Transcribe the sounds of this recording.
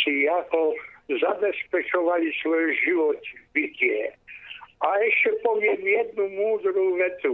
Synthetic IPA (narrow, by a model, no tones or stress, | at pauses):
ijakɔzabɛspɛt͡ʃɔʋalʲisʋɔjuʒɪʋɔt̪ʲibʲitʲɛ | aɛʃt͡ʃɛpɔʋʲjɛmjɛd̪̚numuːd̪ɾuʋɛt̪u